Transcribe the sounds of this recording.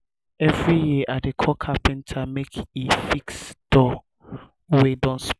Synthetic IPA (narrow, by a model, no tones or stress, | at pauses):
ɛvɹijiʔadekʰɔkʰapʰɛ̃ntʰamekifiksd̥ɔ | wedɔ̃ns